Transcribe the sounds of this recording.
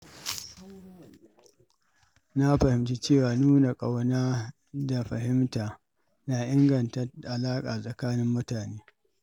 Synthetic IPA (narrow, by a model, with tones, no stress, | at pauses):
na˦ɸɐ˨hɪ˨mti˦t͡ʃeː˦˨waː˨nuː˦na˨kʼa˨wnaː˦ | da˨ɸɐ˨hɪ˦mtaː˨ | na˨ʔɪ˦ŋɡɐ˨ntɐ˦ʔa˨laː˦kʼaː˨sʼɐ˨kaː˦nɪ˦mːʊ˦taː˨neː˦